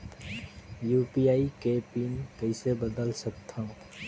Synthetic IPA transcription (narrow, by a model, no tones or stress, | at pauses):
juːpijaːikepiːnkəɪsebəd̪əlsək̚t̪ʰã